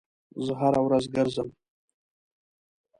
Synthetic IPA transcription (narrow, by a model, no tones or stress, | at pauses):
zɨʁaɾawɾazɡɨrzam